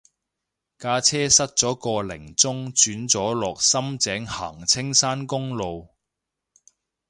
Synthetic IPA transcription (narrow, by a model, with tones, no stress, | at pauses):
kaː˧t͡sʰɛː˥sɐ˥t̚t͡ʃt͡sɔː˨˥kɔː˧lɪ̰˨˩ŋt͡sʊ˥ŋt͡ʃyː˨˥nt͡sɔː˨˥lɔː˨k̚sɐ˥mt͡sɛː˨˥ŋha̰ː˨˩ŋt͡sʰɪ˥ŋsaː˥nkʊ˥ŋlo˨˧w